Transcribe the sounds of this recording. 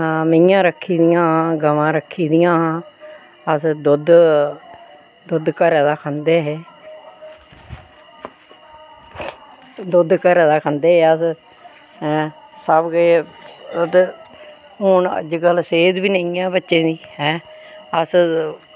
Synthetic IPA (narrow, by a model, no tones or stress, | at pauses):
məjãːɾəkʰːiːd̪ɪjãːɦãːɡəʋãːɾəkʰːiːd̪ɪjãːɦãː | əsd̪ʊd̪ | d̪ʊd̪kəɾɛːd̪aːkʰə̃nd̪eːɦeː | d̪ʊd̪kəɾɛːd̪aːkʰə̃nd̪eːɛːəs | səbɡeːəd̪ | ɦʊnə̰d͡ʒɡəlseːd̪biːneijãːbətːʃẽːniːɦɛː | əs